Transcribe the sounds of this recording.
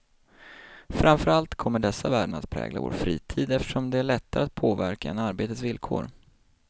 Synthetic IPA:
fɾʔamfœɾalt̪kʰɔmːəɖɛsːavæːɖənat̪̚pʰɾɛ̰ːɡla̰vo̰ːɾfɾḭːt̪ʰiːd̪ɛft̪əʂɔmd̪ɛæɭɛt̪ːaɾat̪̚pʰoːvæɾkaɛ̰naɾbeːt̪ət̪svɪlkʰoːɾ

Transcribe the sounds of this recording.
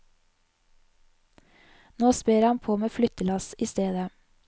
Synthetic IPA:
noːspeːɾhɑnpʰoːmeːflʏt̪əlɑsiːst̪eːd̪ə

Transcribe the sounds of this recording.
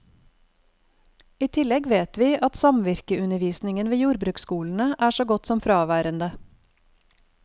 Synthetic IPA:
iːt̪ʰɪlɛɡʋeːt̪ʋiːʔɑt̪sɑmʋɪɾkəʔʉnəʋiːsnɪŋənʋeːjuːɾbɾʉːkskuːln̩əʔæːʃoːɡɔt̪sɔmfɾɑːʋæːɾənd̪ə

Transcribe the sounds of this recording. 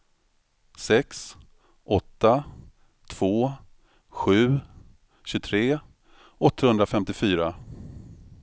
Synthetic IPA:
sɛks | ʔɔt̪ːa | t̪ʰv̥oː | ɧʉ̟ː | ɕɵt̪ʰɾeː | ɔt̪ʰːahɵnd̪ɾafɛmt̪ɪfyːɾa

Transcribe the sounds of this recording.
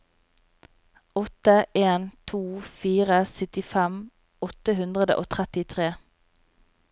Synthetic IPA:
ɔt̪əʔeːnt̪ʰuːfiːʁəsʏt̪ɪfɛm | ɔt̪əhʉnd̪ʁəd̪ə̰ʔo̰ːt̪ʰʁɛt̪ɪt̪ʰʁeː

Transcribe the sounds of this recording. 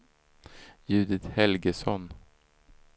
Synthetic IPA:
jʉ̟ːd̪ɪt̪hɛlɡəsɔn

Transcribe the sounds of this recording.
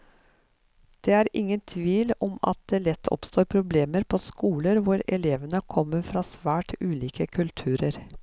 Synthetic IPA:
d̪̥eːæːɾʔɪŋːənt̪ʰʋiːlɔmɑ̰t̪̚d̪eːlɛt̪ʰːɔ̰pst̪oːɾpʰɾʊbleːməɾpʰoːskuːləɾʋʊɾɛ̰leːʋənəkʰɔmːəɾfɾɑːsʋæːʈʉːliːkəkʰʉlt̪ʰʉːɾəɾ

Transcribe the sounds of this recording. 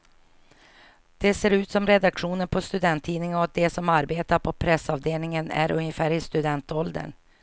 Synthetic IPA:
d̪̥ɛseːɾʉ̟ːt̪sɔmɾɛd̪akɧuːnənpʰɔst̪ɵd̪ɛnt̪ʰːiːnɪŋəɔk̚d̪ɛsɔmaɾbeːt̪aɾpʰɔpʰɾɛsɑːvd̪eːlnɪŋənæ̰ɾʔɵnjəfæːɾɪst̪ɵd̪ɛnt̪ɔld̪ə̰n

